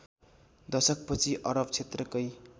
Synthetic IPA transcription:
d̪ʌsʌk̚pʌt͡sʰiʔʌɾʌb̚t͡sʰet̪rʌkʌj

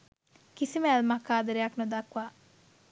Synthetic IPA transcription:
kisimæːlmakaːd̪ɐɾejaknud̪akʋaː

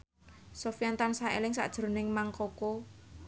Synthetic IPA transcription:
sofijant̪ansaḛlɪŋsa̰ʔd̥ʒ̥ɾonɪŋmaŋkoko

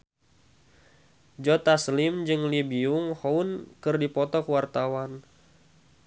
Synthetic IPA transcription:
d͡ʒɔt̪aslimd͡ʒɨŋlibiuŋhɔunkɨrdipɔt̪ɔkəwart̪awan

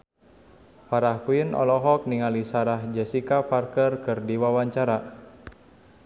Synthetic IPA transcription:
paɾahkuinʔɔ̰lɔɦɔk̚niŋalisaɾahd͡ʒəsikaparkərkɨrdiwawaɲt͡ʃaɾa

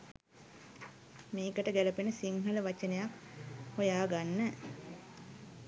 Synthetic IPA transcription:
meːkəʈəɡæləpenəsiŋɦələʋat͡ʃənejakhojaːɡanːə

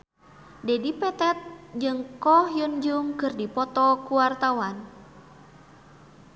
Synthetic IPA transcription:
dɛdipɛt̪ɛt̪̚d͡ʒɨŋkɔhjund͡ʒuŋkɨrdipɔt̪ɔkuwart̪awan

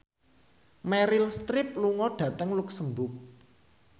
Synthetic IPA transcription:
mɛɾɪlst̪ɾɪp̚luŋɔɖ̥ä̤t̪əŋlʊksəmbʊk̚

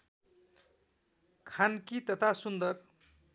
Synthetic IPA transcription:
kʰankit̪ʌt̪ʰasund̪ʌr

